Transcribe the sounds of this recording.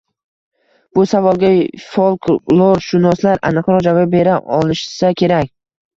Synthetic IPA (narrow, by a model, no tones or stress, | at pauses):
b̥ʊsavɒlˠɡʲafolˠklˠoɾʃʊnɒslaɾa̰nɨqɾɒd͡ʒababe̞ɾaʔɒlˠɪʃsakʲʰe̞ɾakʲ